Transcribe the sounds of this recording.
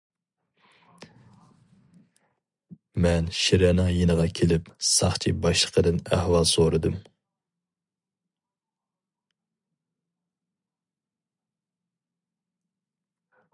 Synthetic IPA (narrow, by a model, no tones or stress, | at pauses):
mɛnʃiɾɛnɨŋjenəʁɑkʲʰelɪpsɑχt͡ʃʰibɑʃlˠəqʰəd̪ɨnæ̰hwɑlˠsoɾɨd̪ɨm